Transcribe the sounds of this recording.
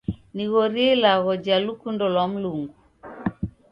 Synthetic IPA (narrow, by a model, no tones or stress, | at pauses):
niɣɔɾiɛilaɣɔd͡ʒalukundɔlwam̩luŋɡu